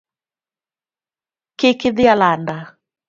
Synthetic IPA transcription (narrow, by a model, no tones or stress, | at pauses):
kɪkɪðɪalanda